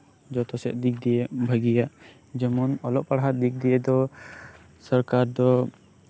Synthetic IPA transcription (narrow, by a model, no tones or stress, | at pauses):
d͡ʒɔt̪ɔsɛ̰ʔ̪̚d̪ik̚d̪ijɛbʱəɡijaʔ | d͡ʒɛmɔnɔlɔʔpaɽɦat̪̚d̪ik̚d̪iɛd̪ɔ | səɾkaɾd̪ɔ